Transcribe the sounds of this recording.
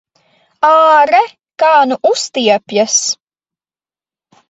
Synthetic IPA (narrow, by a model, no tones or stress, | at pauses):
aːɾɛ | kaːnuʔust̪iɛpʲjas